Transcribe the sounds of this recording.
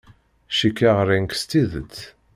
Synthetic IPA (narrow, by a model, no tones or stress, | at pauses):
ʃikːaʁɾiŋkst̪iðət͡sː